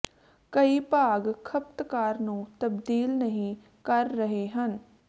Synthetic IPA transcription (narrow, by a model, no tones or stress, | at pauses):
kəiːpaːɡkʰəp̚t̪kaːɾnũːt̪əbd̪iːlnəɦĩː | kəɾːəɦeːɦən